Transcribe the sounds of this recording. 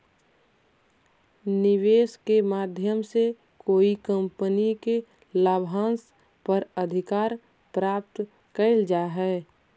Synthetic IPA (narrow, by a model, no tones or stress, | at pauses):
nɪʋeːskemaːd̪ʱjəmse | koːikəmpənike | laːbʱãːns | pəɾəd̪ʱɪkaːɾ | pɾaːp̚t̪ | kəɪld͡ʒaːɦɛː